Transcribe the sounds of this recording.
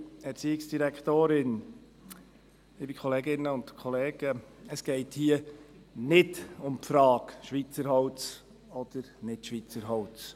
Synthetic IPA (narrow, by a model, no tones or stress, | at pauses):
ɛɾt͡siɪksd̥iɾɛkχt̪oːɾɪn | ɪbikʰɔleːɡɪnːəʊntkʰɔleːɡ̥əəsɡ̥ɛɪthiənɪdʊmpfɾɑːkʃʋit͡səɾhɔwt͡s | ɔd̥əɾnɪtʃʋit͡səɾɦɔwt͡s